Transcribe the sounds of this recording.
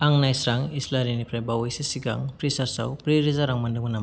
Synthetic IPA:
aŋnajsɾaŋislaɾinipɾajbawejsisiɡa̰ŋpɾisaɾsa̰wpɾiɾizaɾaŋmɐndɯŋunam

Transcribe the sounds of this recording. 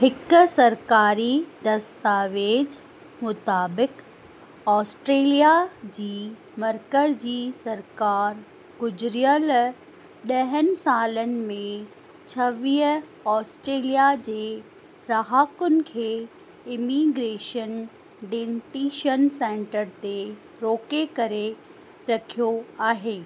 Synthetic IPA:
ɦɪksɐɾkaːɾid̪ɐst̪aːʋeːd͡ʑ | mʊt̪aːbɪk | ɔːsʈɾeːlijad͡ʑiː | mɐɾkəɾd͡ʑiːsɐɾkaːɾ | ɡʊd͡ʑɾijəl | ɗɐɦənɪ̆saːlənɪ̆mẽ | t͡ɕʰɐʋiːɦ | ɔːsʈɾeːlijad͡ʑeː | ɾaɦaːkʊnɪ̆kʰeː | ɪmiːɡɾeːʃən | ɖẽːʈiːʃənsẽːɳʈəɾt̪e | ɾoːkekɐɾe | ɾɐkʰijoaːɦeː

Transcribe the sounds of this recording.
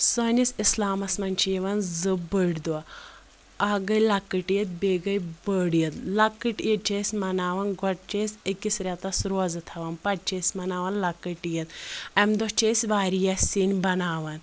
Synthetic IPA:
sonisʲislaːmɐsmɐnʲt͡ʃʰijiʋɐnzɨbəɽʲd̪ua | aɡɐjlɐkːɨʈjɐt̪̚beːɡɐjbəːɽjɐt̪lɐkːɨʈjit͡ʃesʲmɐnaːʋɐnɡɔʈ̚t͡ʃesʲəkisɾʲat̪ɐsɾoːzɨt̪ʰɐʋɐnpɐʈ̚t͡ʃeːsʲmɐnaːʋɐnlɐkːəʈijɐt̪̚ɐmd̪ɔt͡ʃeːsʲʋaːɾijɐsʲinbɐnaːʋɐn

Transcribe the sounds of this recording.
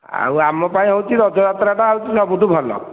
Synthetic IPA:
a̰wamɔpaĩɦɔwt͡ʃʰiɾɔd͡ʒɔjat̪ɾaʈaɦɔwt͡ʃʰisɔbuʈubʱɔlɔ̰

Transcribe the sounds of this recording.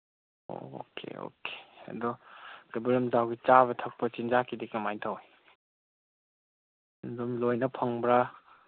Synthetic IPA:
o̰o̰kʰḛo̰kʰe̥ɐ̰dɔɡɐbulɔmzawɡit͡ʃaβɐtʰɐk̚pɐt͡ʃind͡ʒakʰidikːɐmajtʰawj | dumlojnɐpʰɐŋbɾɐ

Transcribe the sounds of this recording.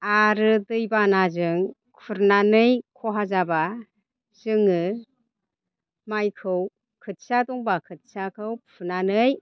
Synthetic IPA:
aɾɯdɯjbanazɯŋ | kʰuɾnanɯjkʰɔɦazaba | z̥ɯŋɯ | majkʰɯw | kʰɯt̚sadɔŋbakʰɯt̚sakʰɯwpʰɯnanɯj

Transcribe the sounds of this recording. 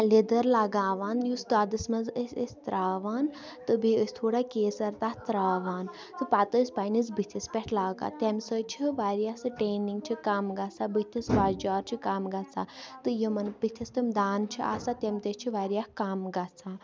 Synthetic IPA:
lid̪əɾlaɡaːʋaːnjusɡaːd̪ɨsmɐnzəsʲəsʲt̪ɾʔaːʋaːn | t̪ɨbiəsʲt̪ʰoːɽakeːsɐɾt̪aːht̪ɾaːʋaːn | t̪ɨpaːt̪əsʲpanisbɨt̪ʰispeʈʰlaːɡa̰ːt̪emsət͡ʃʰiʋaːɾijasɨʈeːniŋɡ̚t͡ʃʰikamɡat͡sabɨt̪ʰʲisbaːd͡ʒd͡ʒaːɾt͡ʃʰikamɡat͡sʰat̪ɨjimɐnbit̪ʰist̪ɨmd̪aːnt͡ʃʰiʔa̰ːsat̪ʲemt̪ət͡ʃʰiʋaːɾijahkaːmɡat͡sʰa

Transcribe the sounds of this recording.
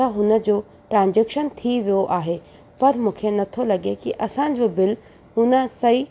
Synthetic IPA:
aɦʊnə̆d͡ʑoː | ʈɾãːnd͡ʑeːkʃənt̪ʰiʋijoʔaːɦe | pɐɾmũːkʰenɐt̪ʰolɐɡekiʔɐsã̆d͡ʑoːbɪl | ɦʊnəsɐɦi

